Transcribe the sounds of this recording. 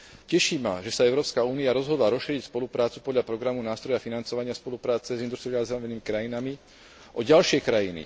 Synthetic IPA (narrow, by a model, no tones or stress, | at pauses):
cɛʃima̰ʒɛsaɛʊɾɔːpskauːniaɾɔzɦɔd̪laɾɔsʃiɾicspɔlupɾaːt͡su̥pɔd̪ʎapɾɔɡɾamunaːst̪ɾɔjafinant͡sɔʋaɲɪaspɔlupɾaːt͡sɛzind̪ust̪ɾiazɛʋɛniːmikɾajinami | ʔɔɟalʃɪɛkɾajinḭ